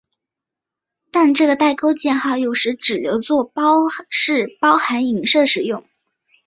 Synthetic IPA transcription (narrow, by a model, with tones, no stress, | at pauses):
t̪a˥˧nʈ͡ʂɤ˥˩ɡə˩t̪a˥˩ɪko˥ʊt͡ɕjɛ˥˧nxɑ˥˧ʊjo˥˩ʊʂɻ̩˧˥ʈ͡ʂɻ̩˨˩ljo˧˥ʊt͡swɔ˥˩pʊʂɻ̩˥˩pɑ˥ʊxa˧˥ni˨˩ŋʂɤ˥˩ʂɻ̩˨˩jʊ˥˩ŋ